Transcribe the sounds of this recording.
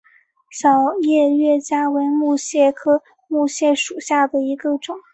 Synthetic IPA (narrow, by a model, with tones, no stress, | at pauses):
ɕjɑ˨˩ʊjɛ˥˧ɥɛ˥˩t͡ɕja˥we˧˥ɪmu˥˧ɕjɛ˥˩kʰɤ˥ | mu˥˧ɕjɛ˥˩ʂu˨˩ɕja˥˩d̪ə˩i˧˥ɡə˧ʈ͡ʂʊ˨˩˦ŋ